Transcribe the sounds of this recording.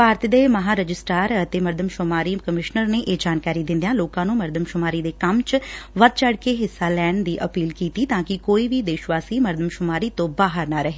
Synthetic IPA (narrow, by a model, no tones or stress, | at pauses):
paːɾt̪d̪eːməɦaːɾəd͡ʒɪsʈaːɾət̪eːməɾd̪ʱəmʃʊmaːɾiːkəmɪʃnəɾneːʔeːd͡ʒaːnkaːɾiːd̪ɪ̃nd̪ejãːloːkãːnũːməɾd̪əmʃʊmaːɾiːd̪eːkəmt͡ʃʋəd̪̚t͡ʃəɽkeːɦɪsːaːlɛːɳd̪iːʔəpiːlkiːt̪iːt̪ãːkɪkoːiːʋiːd̪eːʃʋaːsiːməɾd̪əmʃʊmaːɾiːt̪õːbaːɦəɾnaːɾəɦeː